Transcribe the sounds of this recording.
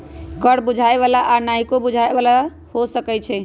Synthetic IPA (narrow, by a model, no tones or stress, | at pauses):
kəɽbud͡ʒʱaeβalaʔanaikobud͡ʒʱaebala | hosəkɛt͡ʃʰɛ